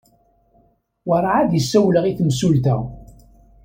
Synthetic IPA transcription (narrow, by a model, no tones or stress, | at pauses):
wəɾˤʕaðjəsːæwləʁiθmsult̪æ̰